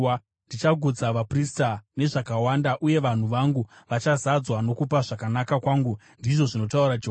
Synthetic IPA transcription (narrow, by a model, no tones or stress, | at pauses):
ndit͡ʃaɡʱud͡zaʋapristane̞ʐakawandaʔuje̞ʋan̤uʋaŋɡuʋat͡ʃazad͡zwano̞kupaʐakanakakwaːŋɡu | ndiʐo̞ʐino̞tauɾat͡ʃː